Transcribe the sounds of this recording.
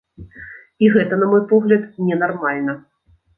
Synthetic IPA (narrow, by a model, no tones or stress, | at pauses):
iɣɛt̪ɐnɐmɔjpɔɣlʲɐt̪nʲɛnarmalʲnɐ